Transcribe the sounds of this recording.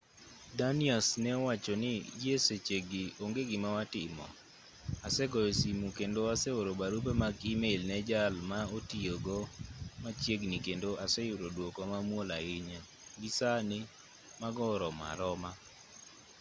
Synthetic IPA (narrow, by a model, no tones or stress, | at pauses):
daniasnɛɔwat͡ʃɔnɪd͡ʒieset͡ʃeɡɪoŋɡeɡɪmawatɪmɔ̰ | asɛɡɔesimukendoasɛoɾobaɾubemaɡimelnɛd͡ʒalmaotioɡɔmat͡ʃjeɡnikendoʔasɛjʊɾodwokɔmamwolaɪɲa | ɡisanɪ | maɡɔɾɔma̰ɾɔma